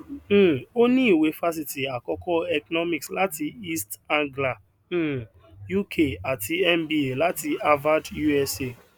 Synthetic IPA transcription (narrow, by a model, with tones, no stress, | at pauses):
o˦ni˦i˨we˨fa˦s̬i˨ti˨a˨kɔ˦kɔ˦ɛ˨kɔ˨nɔ˦mi˨ksla˦ti˧i˦stã˦ŋɡlã˨˦˨ | ju˦kʰe˦˨a˨tʰi˨ɛ˦mbi˦e˨la˦ti˨˧a˦va˦dju˦ɛ˦se˦˨